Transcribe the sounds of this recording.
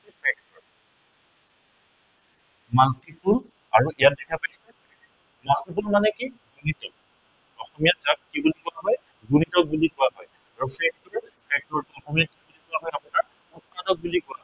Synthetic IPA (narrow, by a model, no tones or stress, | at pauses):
ipʰɛk̚tɔɹ | matipul | aɹuʔijat̚dɛkʰapajsɛ | matipulmanɛki | ɡunitɔk̚ | ɔxɔmijatzak̚kibulikɔwaɦɔj | ɡunitɔk̚bulikʊwaɦɔj | aɹupʰɛk̚tɔɹpʰɛk̚tɔɹtuɔxɔmijakibulikɔaɦɔjapunaɹ | utkadɔk̚bulikɔaɦɔ